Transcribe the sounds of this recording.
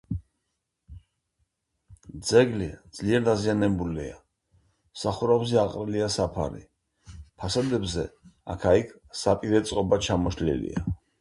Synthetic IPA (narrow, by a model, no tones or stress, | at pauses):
d̪zɛɡlid̪z̥liɛɾd̪azianɛbulia̰ | saχuɾabzɛaqʼɾɛliasapʰa̰ɾḭ | pʰasad̪ɛbzɛ̰a̰kʰaikʰ | sapʼiɾɛt̪sʼqʼɔbat͡ʃʰamɔʃlḭlḭa